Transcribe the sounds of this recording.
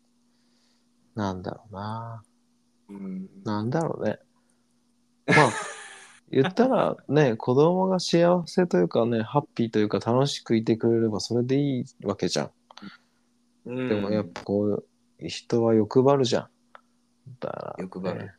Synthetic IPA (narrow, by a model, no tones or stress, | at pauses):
nãnd̪a̰ɾo̞̰na | nãnd̪aɾo̞̰nḛ | maː | jɯ̟t̪ːaɾa̰ne̞kʰo̞d̪o̞mo̞ɡaɕiaβase̞t̪o̞jɯ̟ːkane̞hapʲːiːt̪o̞jɯ̟ːkat̪ano̞ɕi̥kɯ̟it̪e̞kɯ̟ɾe̞ɾe̞baso̞ɾe̞d̪e̞iːβake̞d͡ʑã̰ŋ | d̪e̞mo̞japːḁkoː | çi̥t̪o̞βajo̞kɯ̟baɾɯ̟ʑã̰ŋ | t̪a̰ɾa̰